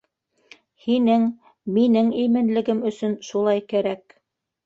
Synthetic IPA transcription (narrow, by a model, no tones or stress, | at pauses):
hinɘŋ | minɘŋimɘ̆nlɘ̆ɡɘmɵ̆sɵnʃulˠɑjkæɾæk